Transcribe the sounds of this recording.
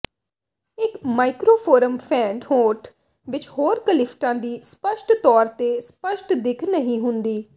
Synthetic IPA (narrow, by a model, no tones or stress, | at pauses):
ɪkmaːɪkɾoːpʰoːɾəmpʰɛ̃ːɳɖhoːʈ | ʋɪt͡ʃhoːɾkəlɪpʰʈãːd̪iːspəʃʈt̪ɔːɾt̪eːspəʃʈd̪ɪkʰnəɦĩːɦʊnd̪iː